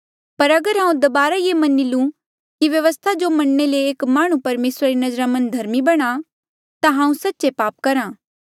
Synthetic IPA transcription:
pɐɾɐɡəɾɦãːũd̪ɐbaːɾajemɐnːilũ | kiʋjɐʋəst̪ʰad͡ʒomɐɽːeleːkmaːɽ̃ũpɐɾmeːsɾaɾinɐd͡ʒɾamɐ̃nd̪ʱɐɾmibɐɽ̃a | t̪ãɦãːũsɐtːt͡ʃepaːp̚kɐɾãː

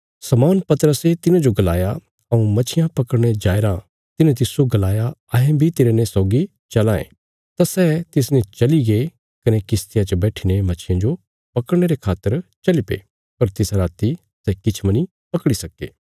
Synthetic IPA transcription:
sɐmaːnpɐt̪əɾəset̪ɪnãd͡ʒoɡɐla̰ːja | ɐũmɐt͡ʃʰɪjãpɐkəɽɽ̃ed͡ʒaːeɾã | t̪ɪnẽt̪ɪsoɡɐlaːjaɐɦẽbʱit̪eːɾenẽsɔːɡi | t͡ʃɐlãːḛ̃ | t̪asɛt̪ɪs̬net͡ʃɐliɡe | kɐnekɪst̪ɪjãt͡ʃəbɛːʈʰinemɐt͡ʃʰɪjãd͡ʒo | pɐkəɽɽ̃eɾekʰaːt̪ːəɾt͡ʃɐlipḛː | pɐɾt̪ɪsaɾaːt̪i | sɛkɪt͡ʃʰmɐni | pɐkɽisɐkːḛː

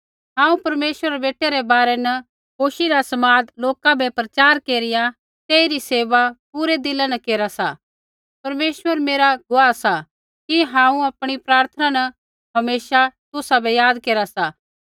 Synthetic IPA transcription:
ɦãːũpɐɾmeːʃʋəɾɾebeːʈːeɾɛbaːɾɛnɐ | koːʃiɾasɐmaːd̪loːkabɛpɾɐt͡ʃaːɾkeːɾɪja | t̪eːiɾiseːʋapuːɾed̪ɪlanɐkeːɾasa̰ | pɐɾmeːʃʋəɾmeːɾaɡʊaːsa | kiɦãːũɐpɽ̃ipɾaːɾt̪ʰənanɐ | ɦɐmeːʃat̪ʊsabɛjaːd̪keːɾasaː

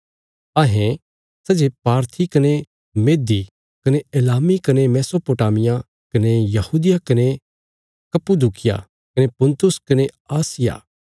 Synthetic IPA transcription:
ɐɦẽ | sɐd͡ʒepaːɾt̪ʰikɐne | meːd̪i | kɐneelaːmikɐnemɛːsopoːʈaːmɪja | kɐnejɐhuːd̪ɪjakɐne | kɐpud̪ukɪja̰ | kɐnepʊ̃nt̪ʊskɐne | aːsɪja̰ː

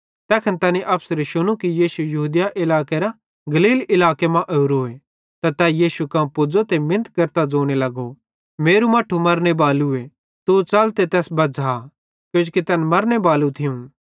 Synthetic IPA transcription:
t̪ɛːkʰənt̪ɐːniʔɐpʰsəɾʃʊɽ̃ũkijiːsujɐɦuːd̪jaʔɪlaːkeɾa | ɡɐliːlɪlaːkemãʔeuɾoːe | t̪at̪ɛːjiːʃukãːpʊd͡zot̪emɪ̃nət̪kɐɾt̪ad͡zoːɽ̃elɐɡo | meːɾumɐʈʰːumɐɾnebaːlue | t̪ut͡sɐlt̪et̪ɛːsbɐd͡zʱa | kjõːd͡ʒkit̪ɛːnmɐɾnebaːlũt̪ʰɪjũ

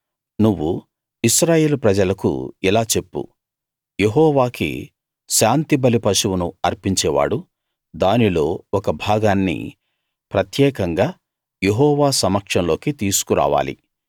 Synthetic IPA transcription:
nuʋːu | iʃɾaːje̞ːlupɾɐd͡ʒɐlɐkṵilaːt͡ʃe̞pːṵ | jeɦɔːʋaːkḭ | ʃaːnt̪ibɐlipɐʃuwunṵɐɾpiɲt͡ʃɛːʋa̰ːɽu | d̪aːnilo̞ːɔkɐbʱaːɡaːnːḭ | pɾɐt̪jɛːkɐŋɡaː | je̞ɦɔːʋaːsɐmɐkʂɐnlo̞ːkit̪iːsu̥kuɾa̰ːʋa̰ːlḭ

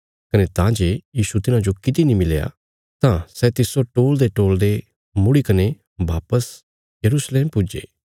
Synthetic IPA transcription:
kɐnet̪ãːd͡ʒeːjiːsut̪ɪnãd͡ʒokɪt̪inimɪleja̰ | t̪ãsɛt̪ɪsoʈoːld̪eʈoːld̪e | mʊɽikɐne | baːpəs | jɐɾuːsleːmpʊd͡ʒḛː

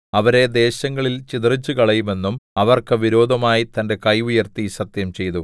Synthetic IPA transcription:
ɐʋɐɾe̞d̪e̞ːɕɐŋːɐɭilt͡ɕit̪rit͡ɕːukɐɭɐjume̞nːumɐʋɐrkɨʋiɾo̞ːd̪ʱɐmaːjit̪ɐnde̞kɐjujɐrt̪isɐt̪jɐmt͡ɕe̞jt̪u

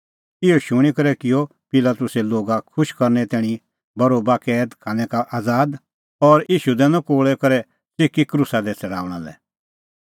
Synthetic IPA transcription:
ɪɔʃʊɽ̃ikɐɾɛkɪjɔ | pɪlaːt̪ʊsɛloːɡakʰʊʃkɐɾnɛt̪ɛːɽ̃ĩ | bɐɾoːbakɛːd̪kʰaːnɛ̃kaʔaːd͡zaːd̪ | ɔɾiːʃud̪ɛnãkoːɭɛkɐɾɛ | t͡sɪkːikɾusad̪ɛt͡sɛɽa̰ːʊɽ̃a̰lɛ̰

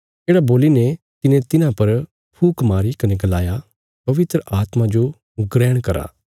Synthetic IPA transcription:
d͡ʒeːɽaboːline | t̪ɪnẽt̪ɪnãpɐɾ | pʰuːkmaːɾikɐneɡɐlaːja | pɐʋɪt̪ɾəʔaːt̪mãd͡ʒo | ɡɾɛːɽ̃kɐɾa̰ː

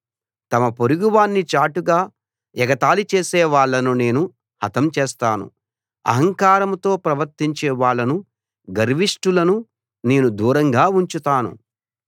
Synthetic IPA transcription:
t̪ɐmɐpoɾuɡuʋaːnːit͡ʃaːʈuɡaː | ɛɡɐt̪aːlut͡ʃeːsɛːʋaːɭːɐnune̞ːnu | hɐt̪ɐmt͡ʃeːst̪aːnṵ | ɐ̰ɦɐŋkaːɾɐmt̪o̞ːpɾɐʋɐɾt̪iɲt͡ʃeːʋaːɭːɐnu | ɡɐɾʋiʂʈulɐnu | ne̞ːnud̪uːɾɐŋɡaːuɲt͡ʃut̪aːnṵ

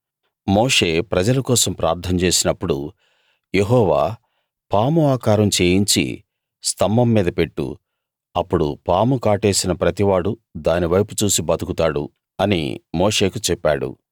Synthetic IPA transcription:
moːʂe̞ːpɾɐd͡ʒɐlɐkɔːsɐmpɾaːɾt̪ʰɐmt͡ʃe̞ːsinɐpːuɽu | jeɦɔːʋaː | paːmuaːkaːɾɐmt͡ʃe̞ːjiɲt͡ʃḭ | st̪ʰɐmbɐmːiːd̪ɐpe̞ʈːṵ | ɐpːuɽṵpaːmukaːʈe̞ːsinɐpɾɐt̪iʋaːɽud̪aːniʋɐjput͡ʃuːsibɐt̪ukut̪aːɽṵ | ɐnḭmoːʂe̞ːkut͡ʃɛpːaːɽṵ

